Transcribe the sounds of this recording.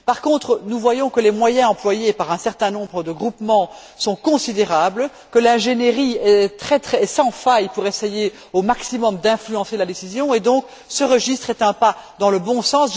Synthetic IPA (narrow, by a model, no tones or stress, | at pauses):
paʁkɔ̃t̪χənuvwajɔ̃kəlɛmwajɛ̃ɑ̃plwajepaʁɛ̃sɛʁt̪ɛ̃nɔ̃bʁəd̪əɡʁupmɑ̃ | sɔ̃kɔ̃sid̪eʁabl | kəlɛ̃ʒeneʁiɛt̪χɛt̪χɛsɑ̃fajpuʁeseje | omaksimɔmd̪ɛ̃flyɑ̃selad̪esizjɔ̃ed̪ɔ̃k | səʁəʒist̪χɛt̪ɛ̃pa | d̪ɑ̃ləbɔ̃sɑ̃s